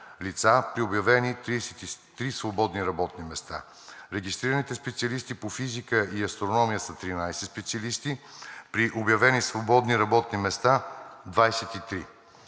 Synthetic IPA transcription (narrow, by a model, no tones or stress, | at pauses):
lit̪sapɾiobjɐvɛnit̪ɾisɛt̪it̪ɾisvobɔd̪niɾɐbɔt̪nimɛst̪a̰ | ɾɛɡist̪ɾiɾənit̪ɛspɛt̪siɐlist̪ipofizikəiɐst̪ɾonɔmijəsət̪ɾinajsɛspɛt̪siɐlist̪ipɾiʔobjɐvɛnisvobɔd̪niɾɐbɔt̪nimɛst̪ad̪vajsɛt̪it̪ɾi